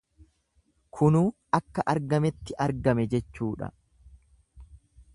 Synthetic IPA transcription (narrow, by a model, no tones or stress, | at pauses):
kʰʊnuːʔɐkːɐʔɐɾɡɐmɛt̪ːɪʔɐɾɡɐmɛd͡ʒɛt͡ʃːuːᶑɐ̰